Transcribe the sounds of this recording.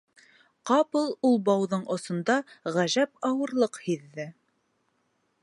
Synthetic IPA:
qɑpɤ̆lˠulˠbɑwðɤɴʔŏsŏnd̪ɑʁæʒæpɑwɤ̆ɾlˠɤqhiðːɘ

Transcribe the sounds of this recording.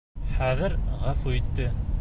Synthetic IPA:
χæðɘɾʁæfuit̪ːɘ

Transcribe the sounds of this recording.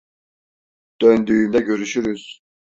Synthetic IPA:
d̪̥ønd̪yːmd̪ɛɟøɾyʃyɾyz̥

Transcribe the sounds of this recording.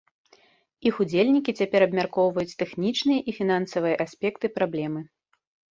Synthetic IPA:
ixud͡zʲelʲnʲikʲit͡sʲapʲɛɾɐbmʲarkɔwvɐjut͡sʲt̪ɛxnʲit͡ʂnɨjɐʔifʲinansɐvɨjɐʔasʲpʲɛkt̪ɨpɾablʲɛmɨ

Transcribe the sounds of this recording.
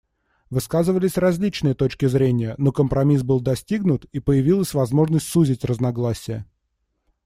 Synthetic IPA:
vɨskazɨvəlʲɪsʲrɐzʲlʲit͡ɕnɨjət̪o̞t͡ɕkʲɪzɾʲenʲɪjənokəmpɾɐmʲis̬bɨlˠd̪ɐsʲtʲiɡnʊt̪ipəjɪvʲilˠəsʲvɐzmo̞ʐnəsʲtʲsuzʲɪtʲrəznɐɡlˠasʲɪjə̰

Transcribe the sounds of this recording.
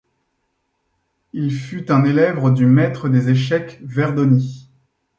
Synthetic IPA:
ilfyt̪ɛ̃nelɛvʁəd̪ymɛt̪χəd̪ezeʃɛkvɛʁd̪ɔni

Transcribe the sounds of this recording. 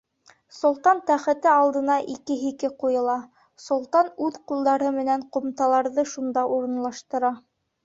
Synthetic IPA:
sŏlˠt̪ɑnt̪æχɘ̆t̪ɘɑlˠd̪ɤ̆nɑʔikɘɦikɘqujɤ̆lˠɑ | sŏlˠt̪ɑnʉðqulˠd̪ɑɾɤmɘ̆næŋqŏmt̪ɑlˠɑɾðɤʃund̪ɑʔuɾɤ̆nlˠɑʃt̪ɤ̆ɾɑ

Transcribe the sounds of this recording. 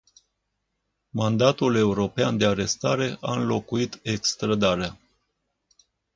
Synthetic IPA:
mand̪at̪ule̞uɾo̞peand̪e̞aɾe̞st̪aɾe̞ʔaɨnlo̞kuit̪e̞kst̪ɾəd̪aɾea

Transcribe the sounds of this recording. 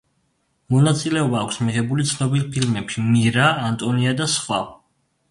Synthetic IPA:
mɔnat̪sʼilɛɔbaːkʷʰsmiʁɛbulit̪sʰnɔbilˠpʰilmɛpʃimiɾaːnt̪ʼɔniad̪asχwa̰

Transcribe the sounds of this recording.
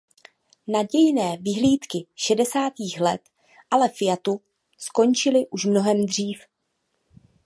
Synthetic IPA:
naɟɛjnɛːvɪɦliːt̪kɪʃɛdɛsaːt̪iːxlɛt̪ | ʔalɛfɪjat̪u | sko̞nt͡ʃɪlɪʔuʃmno̞ɦɛmd̪r̝iːf

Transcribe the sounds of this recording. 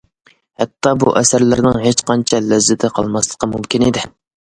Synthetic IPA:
hɛt̪ʰːɑbṵʔɛsæɾlɪɾnɪŋɦet͡ʃqɑnt͡ʃʰɛlɛzːɪt̪ʰɪqʰɑ̰lˠmɑslˠə̥qʰəmumkʲɪnid̪ɪ

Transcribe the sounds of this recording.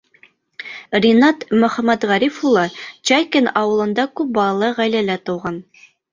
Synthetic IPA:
rʲinɑt̪mɵ̆χæmæt̪ʁæɾifulˠɑt͡ɕɑjkʲɘnɑwɤ̆lˠɤ̆nd̪ɑkʉp̚bɑlˠɑlˠɤʁæjlælæt̪ŏwʁɑn

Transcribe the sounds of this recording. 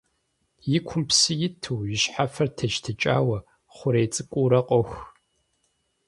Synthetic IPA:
jɪkʷʰʊmpsɨjɪtʰɨːjɪɕħafɐrtʰɐʒtʰɨt͡ʃʼa̰ːwɐ | χʷʊɾejt͡sʼɨkʷʼuːɾɐqʼɔxʷ

